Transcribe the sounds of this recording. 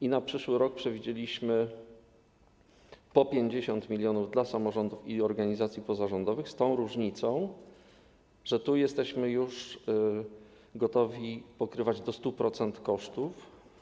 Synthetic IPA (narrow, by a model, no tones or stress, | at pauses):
inapʂɘʂwɘɾɔk̚pʂɛvʲid͡ʑelʲiɕmɘ | pɔpʲjeɲd͡ʑeɕɔnt̪mʲilʲjɔnuvd̪lasamɔʐɔnd̪ufiɔɾɡaɲizat̪sʲjipɔzaʐɔnd̪ɔvɘxst̪ɔ̃w̃ɾuʐɲit̪sɔ̃w̃ | ʐɛt̪ujɛst̪ɛɕmɘjuʂ | ɡɔt̪ɔvʲipɔkɾɘvad͡ʑd̪ɔst̪upɾɔt̪sɛnt̪kɔʂt̪uf